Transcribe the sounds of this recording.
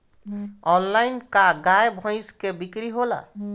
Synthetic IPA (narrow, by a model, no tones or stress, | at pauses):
ɔnlajnkaɡajbʱɔ̃ɪ̃skebikɾiɦola̰